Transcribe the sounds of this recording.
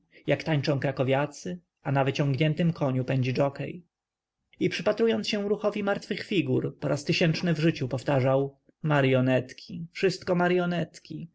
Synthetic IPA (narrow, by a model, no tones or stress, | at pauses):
jakt̪aɲt͡ʂɔ̃w̃kɾakɔvʲjat̪sɘ | anavɘt͡ɕɔ̃ŋɡɲɛnt̪ɘmkʰɔɲupɛɲd͡ʑid͡ʐɔkɛ̰j | ipʂɘpat̪ɾujɔnt̪sɕɛ̃ɾuxɔvʲimaɾt̪fɘxfʲiɡuɾpɔɾast̪ɘɕɛnt͡ʂnɘvʐɘt͡ɕupɔft̪aʐaw | maɾjɔnɛt̪kʲʰifʂɘst̪kɔmaɾjɔnɛt̪kʲi